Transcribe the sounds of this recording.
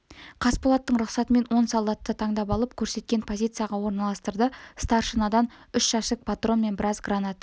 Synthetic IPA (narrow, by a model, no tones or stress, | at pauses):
qʰɑspolˠɑt̪ːəɴɾʊqsɑt̪əme̞nwo̞nsɑlˠd̪ɑt̪ːət̪ʰɑɴd̪ɑp̬ɑlˠəpkʲʰɵɾse̞t̪̚kʲe̞npʰo̞zʲijt̪sɨjaʁɑwo̞ɾnɑlˠɑst̪əɾd̪əst̪ɑrʃənɑd̪ɑnʏʃʃɑʃɪk̚pʰat̪ro̞nme̞nbɪɾɑzɡranɑt̪